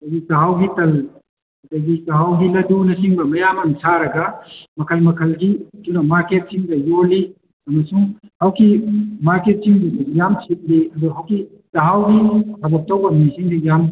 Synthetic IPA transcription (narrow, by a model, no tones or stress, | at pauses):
ɐdɐɡitɐɦawɡitɐl | ɐdɐɡikɐɦawɡilɐdunɐsiŋbɐmɐjamɐŋsaɾɐɡɐmɐkʰɐlmɐkʰɐlɡidunɐmaɾket̚siŋdɐjoli | ɐmɐsuŋhawkimaɾket̚siŋbijamsʰit̚liɐdɔɦawki | tɐɦawɡitʰɐbɐk̚tɐwbɐmnisiŋdijam